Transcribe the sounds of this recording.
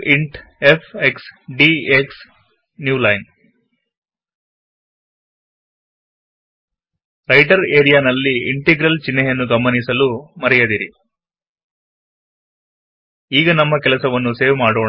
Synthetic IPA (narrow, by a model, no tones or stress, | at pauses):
iɳʈepʰeksɖieks | njuːlɐjn | ɾɐjʈɐɾeːɾijaːnɐlːiːɳʈeɡɾɐlt͡ʃinːejɐnːuɡɐmːɐnisɐlumɐɾɛjɐd̪iɾi | iːɡɐnɐmːɐkɛlɐsɐʋɐnːuseːʋmaːɽoːɳ